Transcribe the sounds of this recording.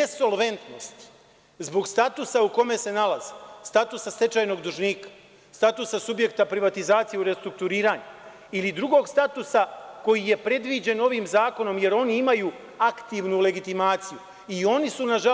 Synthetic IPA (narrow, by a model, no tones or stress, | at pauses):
neso̞lˠʋe̞nt̪no̞st̪ | zbo̞ɡst̪at̪usauko̞me̞se̞nalazi̥st̪at̪usast̪e̞t͡ʃaːjno̞ɡd̪uʒniːkḁ | st̪at̪usasubje̞kt̪apɾiʋat̪izaːt̪sijeuɾe̞st̪ɾuk̚t̪uɾiːɾaːɲa | ilid̪ɾuɡo̞ːɡst̪at̪usako̞jije̞pɾe̞d̪ʋid͡ʑe̞no̞ʋiːmzaːko̞no̞mje̞ɾo̞niimaju | akt̪iʋnule̞ɡit̪imaːt̪siju | io̞nisunaʒa